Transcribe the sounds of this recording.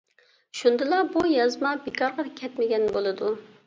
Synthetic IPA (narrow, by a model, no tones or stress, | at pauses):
ʃund̪ɨlˠɑbujɑzmɑbekʰɑɾʁɑkʲʰɛt̪mɪɡʲɛnbolˠɨd̪u